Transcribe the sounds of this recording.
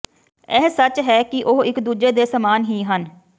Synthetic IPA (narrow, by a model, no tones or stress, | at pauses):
ɛːsət͡ʃɦɛːkɪʔoɦɪkd̪uːd͡ʒeːd̪eːsəmaːnɦiːɦən